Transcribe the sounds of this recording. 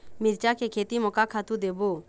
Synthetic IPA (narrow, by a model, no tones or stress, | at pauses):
mɪɾt͡ʃaːkekʰeːt̪imɔkakʰat̪ud̪eːboː